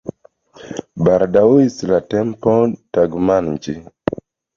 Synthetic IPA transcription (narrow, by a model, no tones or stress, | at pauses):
baɾdawoislatɛmpɔtaɡmanɲd͡ʒi